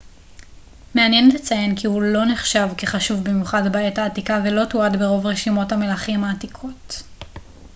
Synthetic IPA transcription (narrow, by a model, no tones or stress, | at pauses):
me̞anjenlet͡sajenkihulo̞neχʃavkeχaʃuvbimjuχadbaetaːtikavelo̞tuadbeʁo̞vʁeʃimo̞thame̞laχimhaːtikʰo̞t